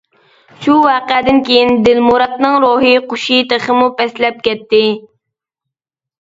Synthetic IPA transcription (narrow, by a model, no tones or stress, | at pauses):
ʃuwɑːqɛd̪ɪnkʲejind̪ɪlmuɾɑt̪nɨŋɾoɦiqoʃijt̪əχəmupɛslɛp̚kʲɛt̪ːɪ